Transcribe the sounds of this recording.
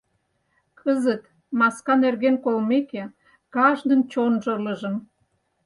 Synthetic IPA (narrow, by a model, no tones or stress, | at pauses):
kʰəzət̪ | mɑskɑnerɣenkolmeke | kɑʒd̪ə̆nt͡ɕonʒələ̆ʒə̆m